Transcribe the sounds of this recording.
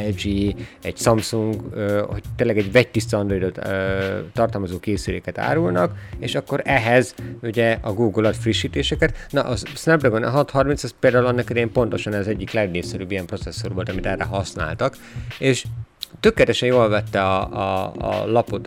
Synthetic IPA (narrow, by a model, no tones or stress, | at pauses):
ɛd͡ʒiːɛɟsɒmsuŋɡøho̞ct̪ːeːnlːɛɡɛɟvɛct̪ist̪ɒɒnd̪ro̞jd̪ot̪øt̪ːɒrt̪ɒlmɒzoːkeːsylḛːkɛt̪a̰ːɾulnɒkeʃɒkːo̞ɾɛɦɛzuɟɛɒɡuːɡulɒt̪friʃːiːt̪eːʃɛkɛt̪nɒ̰ʔɒsnɛpd̪ɛɡon̰ɦɒt̪hɒrminsɒspeːld̪aːulɛnːɛkid̪ɛjɛmpont̪o̞ʃɒnɛzɛɟːiklɛɡneːsɛɾybːijɛmpro̞t̪sɛsːorʋolt̪ɒmit̪ɛrɛ̰ɦɒsna̰ːlt̪ɒk | eːʃt̪økːɛt̪ɛʃɛjjoːlvɛt̪ːɛɒ̰ | lɒpot̪